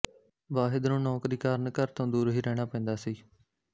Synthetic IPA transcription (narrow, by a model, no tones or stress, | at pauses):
ʋaːɦɪd̪nũːnɔːkɾiːkaːɾənkəɾt̪õːd̪uːɾɦiːɾɛːɽ̃aːpɛ̃ːnd̪aːsiː